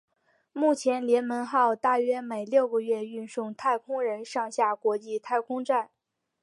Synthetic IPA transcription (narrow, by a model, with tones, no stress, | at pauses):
mu˥˩t͡ɕʰjɛ˧˥nljɛ˧˥nmə˧˥nxɑ˥˧ʊt̪a˥˩ɥɛ˥me˨˩ɪljo˥˩ʊɡə˧ɥɛ˥˧y˥˧nʂʊ˥˧ŋt̪ʰa˥˩ɪkʰʊ˥ŋɻə˧˥nʂɑ˥˧ŋɕja˥˩kwɔ˧˥t͡ɕi˥˧t̪ʰa˥˩ɪkʰʊ˥ŋʈ͡ʂa˥˩n